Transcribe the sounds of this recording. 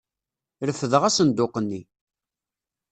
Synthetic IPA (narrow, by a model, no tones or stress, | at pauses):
ɾəfəðəʁæsənd̪ʊqənːi